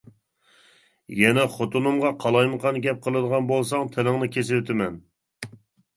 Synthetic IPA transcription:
jɛnɛχot̪unɨmʁɑqʰɑlˠɑjməqʰɑnɡʲɛp̚qʰəlˠɨd̪əʁɑnbolˠsɑŋt̪ʰɪlɪŋnɨkʲʰesɪwøt̪ʰɪmɛn

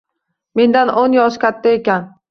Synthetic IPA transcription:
me̞nd̪anʔonjɒʃkʲʰat̪ʰːae̞kʲan

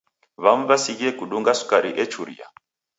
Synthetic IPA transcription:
βam̩βasiɣiɛkuɗuŋɡasu̥kaɾiʔɛt͡ʃuɾḭa̰

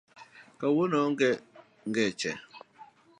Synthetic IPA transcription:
kawonɔŋ̩ɡɛ | ŋ̩ɡɛt͡ʃɛ̰

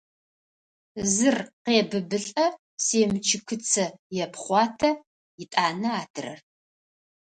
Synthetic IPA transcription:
zɨrqeːbɨbɨɬʼɐ | seːmt͡ʃʰɪkʰɨt͡sʰɐjɛpʰχʷɑːtʰɐ | jɪtʼaːnɐaːdʰɨrɐ̰r

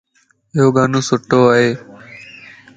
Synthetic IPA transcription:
ɪɦoːɡaːnõːsʊʈːoːaːɦeː

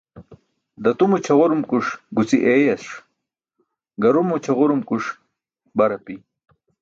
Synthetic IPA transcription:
d̪ɐt̪umut͡ɕʰɐʁuɾumkuʂɡut͡siʔejɐsʂ | ɡɐɾumut͡ɕʰɐʁuɾumkuʂ | bɐɾɐpi

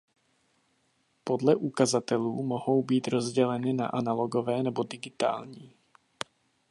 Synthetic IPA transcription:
po̞dlɛʔukazat̪ɛluːmoɦo̞wbiːt̪ɾozɟɛlɛnɪna̰ʔanaloɡovɛːnɛbodɪɡɪt̪a̰ːlɲiː

